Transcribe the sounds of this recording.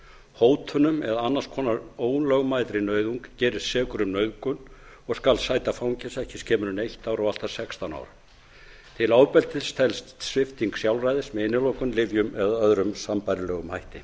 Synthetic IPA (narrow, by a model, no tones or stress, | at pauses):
hoːwt̪ʰʏnʏmɛðaanːaskʰɔːnaɾoːwnlœɣmajt̪ɾɪnœːɥðuŋkcɛːɾɪssɛːkʏɾʏmnœɥðkʏn | ɔɣskalsaːjt̪afawɲcɛsɛhcɪscʰɛːmʏɾʏnejht̪aːwɾɔɣal̥t̪ḁsɛkst̪ana̰wɾ | t̪ʰɪlaːwpɛlt̪ɪ̥st̪ʰɛlst̪t̪svɪft̪iŋksjawlrajðɪsmɛɪnːɪloːwkʏmlɪvjʏmɛðaœðɾʏmsampajɾɪlœːɣʏmhajht̪ɪ